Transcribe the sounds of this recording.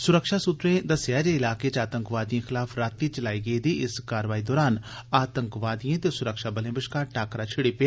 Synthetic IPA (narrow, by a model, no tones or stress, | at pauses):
sʊɾəkʃaːsʊt̪ɾẽːd̪əsjaːd͡ʒeːɪlaːket͡ʃaːt̪ə̃ŋkʋaːd̪ijãːxʰɪlaːpʰɾaːt̪ːiːt͡ʃəlaːiːɡəiːd̪iːɪskaːɾʋaːiːd̪ɔːɾaːnaːt̪əŋkʋaːd̪ijãt̪esʊɾəkʃaːbəlẽːbɪʃkaːɾʈaːkɾaːt͡ʃʰɪɽipa